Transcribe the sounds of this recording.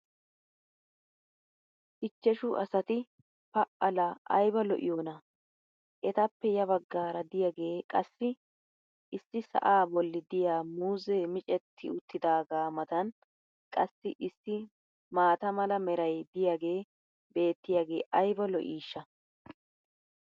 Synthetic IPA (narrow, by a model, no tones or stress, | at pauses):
ʔɪt͡ʃːɛʃʊʔɐsɐt̪ɪ | pɐʔɐlɐʔɐ̰jbɐlɔʔɪ̰joːnɐ | ʔɛt̪ɐpːɛjɐbɐɡːaːɾɐd̪ɪjaɡe̞ːkʼɐsːɪ | ʔɪsːɪsɐ̰ʔaːbɔlːɪd̪ɪjaːmuːzeːmɪt͡ʃʼɛt̪ʰːɪ̰ʊt̪ːɪd̪aːɡaːmɐt̪ɐn | kʼɐsːɪʔɪsːɪ | maːt̪ɐmɐlɐmɛɾɐjd̪ɪjaɡe̞ː | be̞ːt̪ːɪjaːɡe̞ːʔɐjbɐlɔʔiːʃːɐ